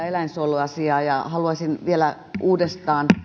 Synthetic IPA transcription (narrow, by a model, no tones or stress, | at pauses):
elæinsoiluɑsiɑːjɑhɑluɑsʲinʋielæ | ʔuːdest̪ɑːn